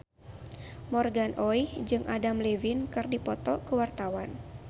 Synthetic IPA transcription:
mɔrɡanʔɔjhd͡ʒɨŋʔadamlevɪnkɨrdipɔt̪ɔkəwart̪awan

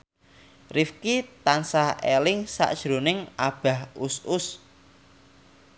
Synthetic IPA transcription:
rifkit̪ansahelɪŋsa̰ʔd̥ʒ̥ɾonɪŋab̥a̤husʊs

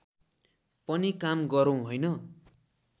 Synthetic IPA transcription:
pʌnikamɡʌɾow̃ɦʌjnʌ

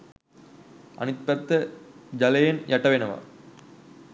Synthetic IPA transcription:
ɐ̰nɪt̪̚pɐt̪ːɐd͡ʒɐlɐjɐnjʔɐʈːɐʋenɐʋa̰

